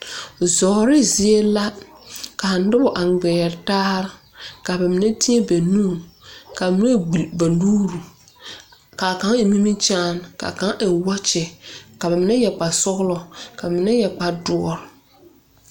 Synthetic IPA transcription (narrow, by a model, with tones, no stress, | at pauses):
zɔː˨ɾɪ˦zi˦e˦la˦ | ka˨n˦dɪ˦bʊ˨ʔa˨ɡ͡bɛː˨ɾtaː˦ɾɪ˦ | ka˨ba˨mɪ˨nɛ˦ti˦ɛ˦be˨nũː˦˨ka˨ba˨mɪ˦ne˦i˨ba˨˦duː˦ɾu˨ | ka˨ka˦ŋe˨mi˦mi˦t͡ʃaː˦nka̰˨ka˨˦ŋʔɛ˨wa˦t͡ʃɛ˨ka˨ba˨mɪ˨˦na˦jɛ˨k͡pa˨sʊ˦ɣlɔ˨ka˨a˨mɪ˨na˦jɛ˨k͡pa˨dʊ˨ɔ˨ɾ